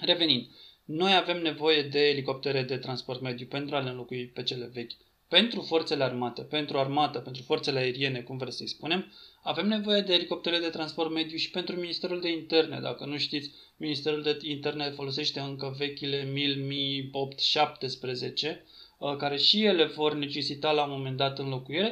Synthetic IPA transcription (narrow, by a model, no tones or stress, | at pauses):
re̞ve̞nind̪ | no̞jave̞mne̞vo̞je̞d̪e̞ːliko̞p̚t̪e̞ɾed̪e̞t̪ɾanspo̞rt̪me̞d̪jupe̞nt̪ɾualenlo̞kuipe̞t͡ʃe̞le̞ve̞kʲ | pe̞nt̪ɾufo̞rt̪se̞learmat̪e̞pe̞nt̪ɾuarmat̪əpe̞nt̪ɾufo̞rt̪seleae̞ɾie̞ne̞kumvɾesəjspune̞mave̞mne̞vo̞je̞d̪e̞ːliko̞pt̪eɾled̪e̞t̪ɾanspo̞rt̪me̞d̪juʃi̥pe̞nt̪ɾuminist̪e̞ɾuld̪e̞int̪e̞rne̞̰d̪a̰kənuʃt̪it̪sʲ | minist̪e̞ɾuld̪eint̪e̞rnefo̞lo̞s̬e̞ʃt̪e̞ɨŋkəve̞kʲile̞milmio̞pt̪ʃap̚t̪e̞spɾe̞ze̞t͡ʃe̞ | kaɾe̞ʃije̞le̞vo̞rne̞t͡ʃe̞sit̪alamo̞me̞nd̪at̪ɨnlo̞kuiɾe̞